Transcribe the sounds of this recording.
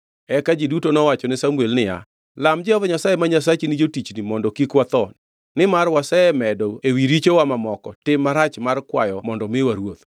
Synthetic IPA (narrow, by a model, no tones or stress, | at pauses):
ɛkad͡ʒidutonɔwat͡ʃɔnɪsamwelnɪja̰ | lamd͡ʒɛɔvɔɲasajemaɲas̬at͡ʃinɪd͡ʒotit͡ʃnimɔndɔkikwat̪ɔn | nɪmarwasɛɛmɛdɔewiɾit͡ʃowamamɔkɔtɪmːaɾat͡ʃmarkwa̰jɔmɔndɔmɪwaɾwot̪